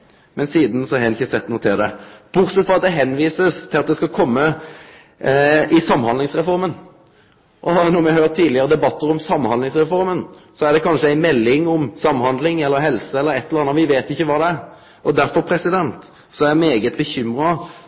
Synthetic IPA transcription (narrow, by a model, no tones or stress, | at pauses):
mɛnsiːd̪n̩sɔæɾɛnɪçːəsɛt̪ːnuːət̪ʰɪld̪ɛb̥ʊɾt̪sɛt̪fɔʁɑt̪̚d̪ɛɦɛnʋiːsəst̪ʰɪlɑt̪̚d̪ɛskɑkʰɔmːə | ʔɪsɑmːhɑnd̪lɪŋsʁɛfɔɾmən | ʔɔnɔɾmɪhøːʁt̪ʰːiːd̪lɪəɾəd̪ɛbɑt̪ːəɾɔmsɑmːhɑnd̪ɪŋsɾɛfɔɾmən | sɔæɾd̪ɛkʰɑnʂəæɪmɛlːɪŋɔmsɑmːhɑnd̪lɪŋɛlːəɾɦɛlsəɛlːəɾɛt̪ʰːɛləɑnɑʋɪʋeːt̪ɪçːəʋɑːd̪ɛæɾ | ɔd̪æɾfɔɾpʰɾɛsɪd̪ɛnt̪ | sɔæmeːɡət̪̚bəçʏmɾɑ